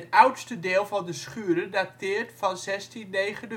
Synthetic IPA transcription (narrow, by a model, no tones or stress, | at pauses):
tœwtstədɪːlˠvɑndəsχyəɾəndatɪːərtfɑnzɛstinːejχəntə